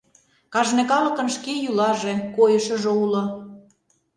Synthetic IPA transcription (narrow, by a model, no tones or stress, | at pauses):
kɑʒnĕkɑlɤ̆kə̆nʃkejulɑʒekojə̆ʃɤ̆ʒĕulŏ